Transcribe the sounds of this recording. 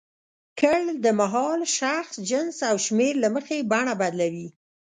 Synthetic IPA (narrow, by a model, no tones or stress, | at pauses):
kəld̪əmaɦɑlʃaxsd͡ʒənsawʃmeɾlaməxebaɳabad̪lawi